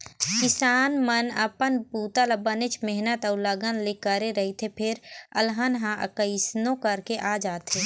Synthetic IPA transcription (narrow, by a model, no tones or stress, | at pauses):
kɪsaːnmənəpənbuːt̪alabənet͡ʃmɛɦnət̪əʊləɡənlekəɾeɾəɦit̪ʰepʰɪɾə̰lɦənɦãʔə̰kəɪsnõkəɾkeʔad͡ʒaːt̪ʰeː